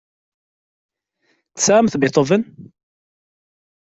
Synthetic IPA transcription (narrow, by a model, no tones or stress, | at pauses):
θə̥sʕamθbɪt̪ˤəvən